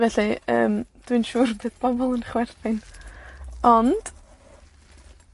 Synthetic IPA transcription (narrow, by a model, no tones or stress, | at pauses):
vɛɬiə̰ːmd̥wɨnʃuːrbɨːðb̥ɔbɔlˠənχwɛrθɪn | ɔnd̥